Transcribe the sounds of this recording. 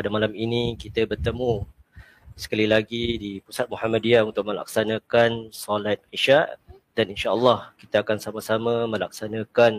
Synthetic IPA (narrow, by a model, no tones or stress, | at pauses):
padamalaminĩkit̪əbərt̪əmũ | sə̥kalilaɡidipusat̪̚muhamadiaunt̪ʊk̚mə̃la̰ksanãkansɔlat̪̚iʃaʔ | daninʃaʔəlːɑhkit̪aakansamasamãmə̃lak̚sanãkan